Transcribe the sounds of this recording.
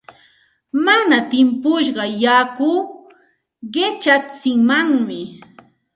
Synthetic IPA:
manat̪ɪmpʊʃɢɑjakʊː | ɢɪt͡ʃat͡sɪŋmaŋmɪ

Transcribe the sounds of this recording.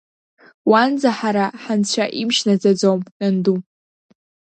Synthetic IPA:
wand͡zaħaɾaħant͡ɕʷʰaʔimʃnad͡zad͡zomnɨndum

